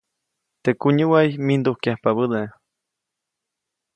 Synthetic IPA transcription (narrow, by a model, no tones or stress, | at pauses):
t̪ekuɲuwajmind̪uhkjahpaβəd̪e